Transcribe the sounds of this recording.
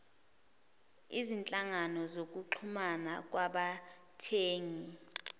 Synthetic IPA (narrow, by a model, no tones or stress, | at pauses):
izint͡ɬʼaŋanɔzok̬uǃʰumanak̬waɓa | tʰeːŋi